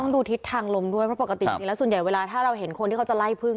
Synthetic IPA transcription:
ɔ˥˩ŋduː˧t̪ʰi˦˥t̪ʰːaː˧ŋlo˧mdu˥˩jpʰɾpa˨˩ka˧t̪i˨˧t͡ɕi˧lɛ˦˥su˨˩nja˨˩jweː˧laː˧t̪ʰaː˥˩ɾa˧wɦe˨˩˦nkʰo˧nt̪ʰiː˥˩kʰwt͡ɕa˨˩la˥˩jpʰɯ˥˩ŋ

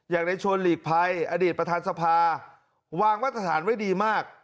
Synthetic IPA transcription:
jaː˨˩k̚da˧jt͡ɕʰo˧nliː˨˩k̚pʰa˧jʔa˧diː˨˩t̪̚pɾa˧t̪ʰaː˧nsa˧pʰaː˧ | waː˧ŋwaː˦˥˩t̪ʰːɾa˧t̪ʰa̰ː˩˦nwa˥˩jdiː˧maː˥˩k̚

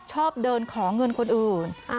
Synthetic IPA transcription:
t͡ɕʰɔː˥˩p̚dɤː˧nkʰɔː˩˦ŋɤ˧nkʰo˧nʔɯː˨˩n˧

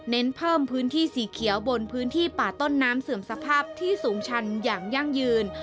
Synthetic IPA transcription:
ne˦˥npʰɤː˥˩mpʰɯː˦˥nt̪ʰiː˥˩siː˩˦kʰi˨˩˦əwbo˧npʰɯː˦˥nt̪ʰiː˥˩paː˨˩t̪o˥˩nːaː˦˥msɯ˨˩əmsa˧pʰaː˥˩p̚t̪ʰiː˥˩suː˩˦ŋt͡ɕʰa˧njaː˨˩ŋja˥˩ŋjɯː˧n

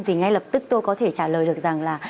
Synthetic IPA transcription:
ŋ͡mt̪ʰi˨˩ŋa˧jlə˨˩p̚t̪ɨ˦˥k̚t̪o˧jkɔ˨˦t̪ʰe˧˩t͡ɕaː˧˩ləː˨˩jɗɨ˨˩ək̚za˨˩ŋlaː˨˩

